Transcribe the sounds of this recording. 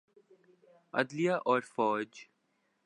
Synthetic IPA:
ɐ̰d̪lijaːʔɔːɾfɔːɾd͡ʒ

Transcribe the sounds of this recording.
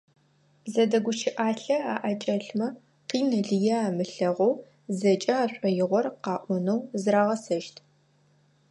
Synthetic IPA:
zɐdɐɡʷʊʃʰɪʔaːɬɐaːʔɐt͡ʃʼɐɬmɐ | qiːnɨɮɨjɐaːmɨɬɐʁow | zɐt͡ʃʼɐaːɕʷʼɔjɪʁʷɔrqɑːʔʷɔnɐwzɾaːʁɐsɐʃtʰ

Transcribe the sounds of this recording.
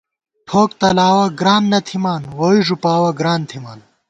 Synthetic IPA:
ʈʰoːk̚t̪ɐlaːwɐɡɾaːnːɐt̪ʰimaːnwɐiʐupaːwɐɡɾaːnt̪ʰimaːn

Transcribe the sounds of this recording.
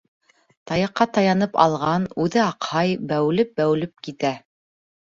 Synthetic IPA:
t̪ɑjɑqːɑt̪ɑjɑnɤpɑ̰lˠʁɑnʉðɘɑqhɑjbæw̆lɘp̚bæw̆lɘp̚kit̪æ

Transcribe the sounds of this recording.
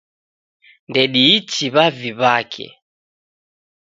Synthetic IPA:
ndɛɗiːtiβaviβakʰɛ̰

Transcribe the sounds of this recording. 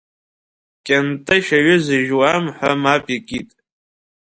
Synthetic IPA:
kʲʼantʼɨʃaɥʊzɨʒwamħʷamapʼikʲʼitʼ

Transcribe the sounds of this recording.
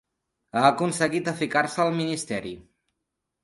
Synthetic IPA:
aəkunsəɣit̪əfikaɾsəːlˠminist̪ɛɾi

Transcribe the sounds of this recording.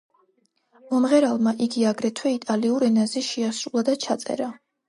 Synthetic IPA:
mɔmʁɛɾalˠmaʔiɡiaɡɾɛt̪ʰwɛit̪ʼaliuɾɛnazɛʃiasɾulˠad̪at͡ʃʰat̪sʼɛ̰ɾa

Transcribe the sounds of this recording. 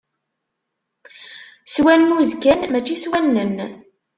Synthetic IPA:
swænmuzkænmæt͡ʃːiswænːən

